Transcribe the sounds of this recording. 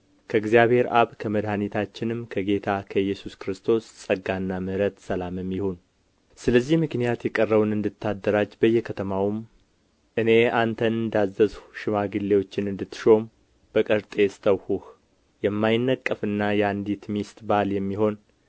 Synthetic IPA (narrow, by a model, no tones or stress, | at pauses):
kʰəɨɡzijaβhe̞ɾʔa̰βkʰəməd̪hanit̪ʰat͡ʃːɪnɨmkʰəɡe̞t̪ʰakʰəjːɛsuskɾɨst̪ʰo̞ssʼəɡanːamɨɾət̪səlaməmːɪhon | sɨləzːihmɨknijat̪jɛkʼərːəwunɨnd̪ɨt̪ʰːad̪ːəɾad͡ʒbəjːɛkʰət̪ʰəmawm | ʔɨne̞ant̪ʰənɨnd̪azːəzʃɪmaɡɨlːewo̞t͡ʃːɪnɨnd̪ɨt̪ːɨ̥ʃo̞m | b̥əkʼəɾt̪ʼe̞st̪ʰəwhuh | jɛmːajɪnːəkʼːəfɨnːajɛand̪it̪mist̪ʼbaljɛmːiho̞n